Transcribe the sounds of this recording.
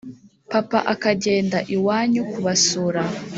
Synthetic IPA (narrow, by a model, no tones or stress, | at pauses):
papaʔakaɟeːndaʔiwaːɲukuβasuɾa